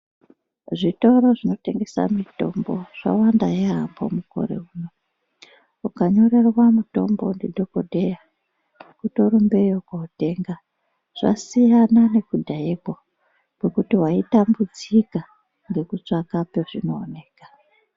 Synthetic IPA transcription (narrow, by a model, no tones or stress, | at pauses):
ʐito̞ɾo̞ʐino̞te̞ŋɡe̞sa̰mito̞̰mbo̞ʐ̥a̰wandajeɦambo̰muko̞̰ɾe̞̰uːno | ukaɲo̞re̞rwamuto̞̰mbondidʱoko̞dʱe̞ja | kuto̞ɾumbe̞jokaute̞ŋɡa | ʐ̥a̰sijanane̞kudʱaebʱo | kwe̞kutiwaitambud͡zika | ŋɡe̞kut͡ʂakape̞ʐino̞ːne̞ːkḁ